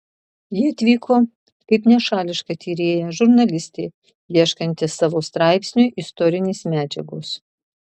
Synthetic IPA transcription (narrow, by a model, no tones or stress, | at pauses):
jɪːɐt̪ʲʋʲiːkʰoː | kɐɪpnʲɛʃɑːlʲɪʃkɐt̪ʲiːɾʲeːjɛʒʊɾnɐlʲɪsʲt̪ʲeː | jiɛʃkɐnʲt̪ʲɪsɑːʋoːst̪ɾɑˑɪpʲsʲnʲuːʔɪst̪ɔːɾʲɪnʲeːsmʲæːd͡ʒʲɛɡʊs